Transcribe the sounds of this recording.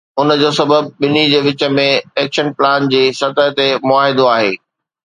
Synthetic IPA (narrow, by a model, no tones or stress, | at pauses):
ʊnəd͡ʑoːsɐbəb̚ɓɪnid͡ʑeːʋɪt͡ɕə̆mẽɛːkʃənplaːnd͡ʑeːsɐt̪əɦt̪emʊaːɦɪd̪oaːɦḛː